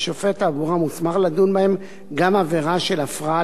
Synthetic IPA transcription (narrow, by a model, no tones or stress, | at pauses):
ʃofetaːvuʁamusmaχladunbaem | ɡamaveʁaʃe̞lafʁa